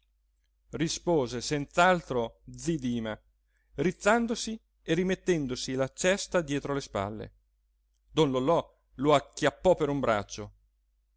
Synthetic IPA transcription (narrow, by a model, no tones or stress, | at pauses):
rispoːzesent̪salt̪ɾod̪zid̪iːma | rit̪sːand̪osi | erimet̪ːɛnd̪osilat͡ʃɛst̪ad̪jɛːt̪ɾolespa̰lːḛ | d̪onlolɔ | loakːjapːɔpeɾumbɾa̰t͡ʃːo